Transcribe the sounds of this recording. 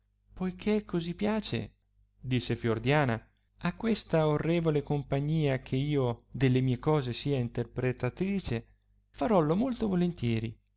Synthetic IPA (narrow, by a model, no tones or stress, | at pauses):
pojkʰekʰːozipjaːt͡ʃḛ | d̪isːefjord̪jaːna | akːwest̪aorːɛːvolekompaɲːiːak̟ʰeiːod̪elːemiːekɔːzesiːaint̪erpɾet̪at̪ɾiːt͡ʃe | faɾɔlomolt̪ovolent̪jɛːɾḭ